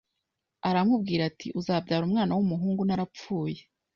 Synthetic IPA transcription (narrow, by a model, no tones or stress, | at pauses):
aɾamub̚ɡiːɾatʰḭʔuzaːb̚ɟaːɾumŋaːnawumuɦuːŋɡunaɾap͡fuːje